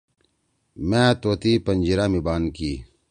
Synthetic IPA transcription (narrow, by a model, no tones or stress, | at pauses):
mɛ̃ːt̪oːt̪ipɐnd͡ʑiɾamibaːnkiː